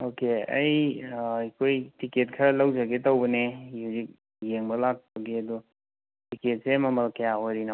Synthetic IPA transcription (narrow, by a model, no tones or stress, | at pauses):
okeɐ̰j | ikʰojtiket̚kʰɐɾɐlawzaɡetɐwbɐnejuzik̚ | jeŋbɐlak̚pɐɡeɐdɔ | tiket̚semɐmɐlkɐjaɦojɾina